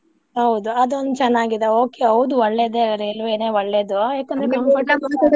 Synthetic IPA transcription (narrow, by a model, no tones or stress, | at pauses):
ɦɐwd̪uɐd̪uond̪ut͡ʃɛnːaːɡid̪eoːkeɦɐʋud̪uɔɭːed̪eɾelʋeneːɔɭːeːd̪ujaːkɐnd̪ɾeɐɐʈːɐmɐt̪i